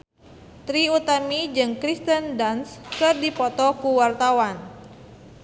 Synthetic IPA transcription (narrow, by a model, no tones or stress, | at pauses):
t̪ɾiut̪amid͡ʒɨŋkɾist̪əndanskɨrdipɔt̪ɔkuwart̪awan